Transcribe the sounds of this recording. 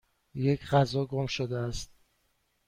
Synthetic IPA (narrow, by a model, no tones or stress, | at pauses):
je̞cʰɢæzɒːɡomʃod̪eæst̪̚